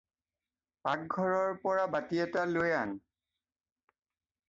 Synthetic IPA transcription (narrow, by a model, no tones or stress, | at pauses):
pak̚ɡʱɔɹɔɹpɔɹabatiɛtalojan